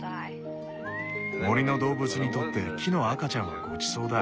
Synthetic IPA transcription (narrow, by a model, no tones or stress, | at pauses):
mo̞ɾʲino̞d̪o̞ːbɯ̟t͡sɨɲ̟it̪o̞t̪ːe̞kʲʰino̞akat͡ɕãɰ̃βa̰ɡo̞t͡ɕi̥so̞ːd̪a